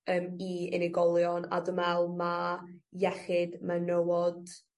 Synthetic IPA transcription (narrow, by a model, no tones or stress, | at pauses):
əːmiɛ̰nɪɡɔlˠjɔna̰dəmɛlˠmajɛχɪdmanowɔd̥